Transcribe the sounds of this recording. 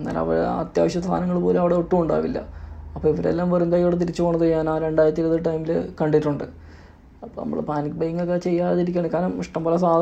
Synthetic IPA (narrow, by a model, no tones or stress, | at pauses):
nːa̰ːlɐ̰ʋɐ̰ɐ̰t̪ja̰ːʋɐɕjɐsʰa̰ːnɐŋːɐɭpo̞ːleɐʋiɽe̞oʈːuuɳɖa̰ːʋilːɐ̰ɐpːoːiʋɐɾḛlːaːmʋɐrund̪aːjijoːɽet̪iɾit͡ɕːɨpoːɳːɐðjːaːnaːɾe̞ɳɖaːjiɾɐt̪ːileðiʈːɐjmilkɐɳɖiʈːuɳɖɨ | ɐpːo̰nɐ̰ːɐɭpaːnikʲːbɐjŋːɐkːet͡ɕe̞jːaːiɾikʲːaːɳkaːɾɐmiʂʈɐmbolɐs̬aː